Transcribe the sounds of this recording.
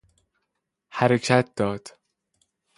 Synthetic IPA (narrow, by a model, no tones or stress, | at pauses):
hæɾecʰæt̪̚d̪ɒːd̪̥